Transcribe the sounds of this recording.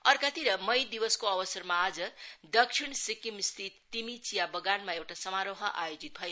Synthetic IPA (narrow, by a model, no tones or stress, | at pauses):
ʌrkat̪iɾʌmʌjd̪iwʌskoʌbʌsʌrmaːd͡zʌd̪ʌkʂʰiɳsikimst̪ʰit̪ːimit͡sijabʌɡanmaewʈasʌmaɾoɦʌʔa̰jod͡zit̪̚bʱʌje